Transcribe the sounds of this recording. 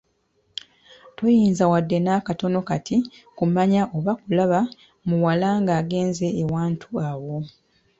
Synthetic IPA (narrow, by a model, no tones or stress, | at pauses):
tojiːnzawadːe̞nakato̞no̞katikumaɲaʔo̞βakulaβa | muwalaŋɡaːɡe̞ːnze̞ːwaːntʰuawo̞